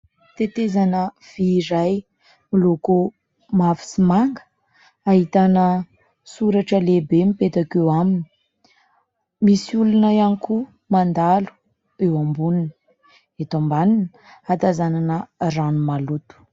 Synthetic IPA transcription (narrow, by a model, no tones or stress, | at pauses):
t̪et̪ezanə | v̥iːɾaj | miloku | mafi̥simaŋɡə̥ | aɦit̪anə | suɾaʈ͡ʂəlebemipet̪akewamini̥ | misiulunaaniku | mand̪alu̥ | ewambunini | et̪ambanin | at̪azananəranumalut̪u̥